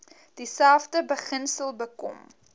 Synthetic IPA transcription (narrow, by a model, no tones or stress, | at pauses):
d̥isælfdəbəχənsəlˠbəkɔ̰m